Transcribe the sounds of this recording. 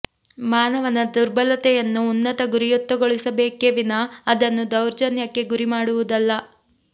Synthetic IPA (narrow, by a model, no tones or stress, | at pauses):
maːnɐʋɐnɐd̪uɾbɐlɐt̪ɛjɐnːuːnːɐt̪ɐɡuɾijɔt̪ːɐɡoɭisɐbeːkeʋinɐːd̪ɐnːud̪ɐwɾd͡ʒɐnjɐkːe̞ɡuɾimaːɽuʋud̪ɐlːɐ